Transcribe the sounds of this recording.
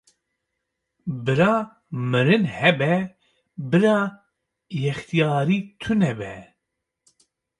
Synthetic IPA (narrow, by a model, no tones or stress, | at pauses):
bɨɾɑː | mɨɾɨnhɛbɛ | bɨɾɑː | jɛxt̪ijɑːɾiːt̪ʰɨnɛbɛ̰